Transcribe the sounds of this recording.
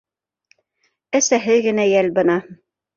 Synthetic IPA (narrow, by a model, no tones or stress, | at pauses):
æsæɦɘðɡɘ̆næjælbɤ̆nɑ